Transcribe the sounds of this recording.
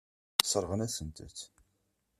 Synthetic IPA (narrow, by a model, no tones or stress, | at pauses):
sˤəɾˤʁənæsənt̪ə̰θ